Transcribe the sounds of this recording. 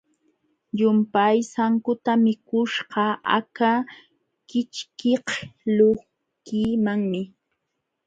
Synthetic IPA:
ʎʊmpajsaŋkʊt̪amɪkʊʃɢɑa̰ka | kɪt͡ʃkehlo | kiːmaŋmɪ

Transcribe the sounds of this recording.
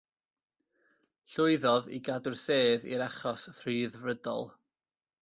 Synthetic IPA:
ɬʊɨðɔðḭɡadʊrseːðḭɾaχɔsθriðvrədɔ̰lˠ

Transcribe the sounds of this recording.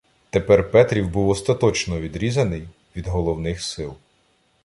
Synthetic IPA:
t̪epɛrpɛt̪ɾʲiwbuwɔst̪ɐt̪ɔt͡ʃnɔʋʲid̪ɾʲizɐnɪj | ʋʲid̪ɦɔlˠɔwnɪxsɪlˠ

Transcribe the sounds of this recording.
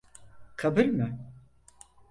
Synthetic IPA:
kʰabɯɾmɯ

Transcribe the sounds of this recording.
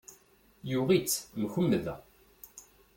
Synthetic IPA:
juʁit͡sːmçʊmːəðæ̰

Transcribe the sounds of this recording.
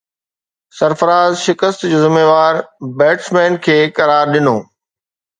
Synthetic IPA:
sɐɾfəɾaːzʃɪkəst̪d͡ʑoːzɪmeːʋaːɾbɛːʈsmɛ̃ːnkʰeːkɐɾaːɾɗɪnoː

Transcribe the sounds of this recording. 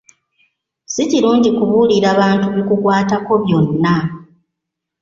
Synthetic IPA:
siciɾuːɲɟikuβuliɾaβaːntuβikukwaːtako̞βjo̞nːa

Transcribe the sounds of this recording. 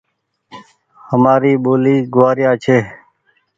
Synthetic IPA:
həmaːɾiːɓoːliːɡʊʋaːɾjaːt͡ʃʰeː

